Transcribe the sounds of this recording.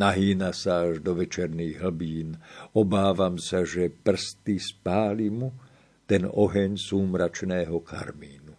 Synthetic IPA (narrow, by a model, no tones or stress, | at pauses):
naɦiːnasaaʒd̪ɔʋɛt͡ʃɛɾniːɣɦl̩biːnɔbaːʋamsaʒɛpr̩st̪ispaːlimu | t̪ɛnɔɦɛɲsuːmɾat͡ʃnɛːɦɔka̰ɾmiːnu